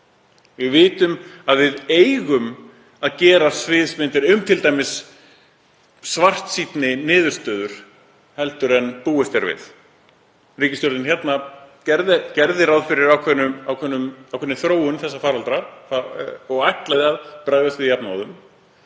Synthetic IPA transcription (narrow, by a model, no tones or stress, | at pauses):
vɪɣvɪːt̪ʏmaðvɪðeːjɣʏm | aðcɛːɾasvɪːðsmɪnt̪ɪɾʏmt̪ʰɪlt̪aːjmɪs | var̥t̪sit̪nɪnɪːðʏɾ̥st̪œːðʏɾ̥ | hɛlt̪ʏɾɛnpuːɪst̪ɛɾvɪ̰ð | riːcɪsjɔɾt̪ɪnçjɛt̪nacɛɾðɪcɛɾðɪɾawðfɪɾɪɾawkʰvɛnːʏawkʰvɛnːʏmawkʰɛnːɪθɾoːwʏnθɛsːafaːɾalt̪ɾafaɔɣajht̪laðɪaðpɾaːjɣðast̪vɪðjapnawðʏm